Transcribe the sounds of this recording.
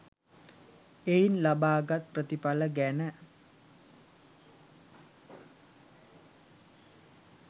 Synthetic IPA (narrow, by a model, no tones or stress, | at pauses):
einlabaːɡat̪̚prət̪ipaləɡænə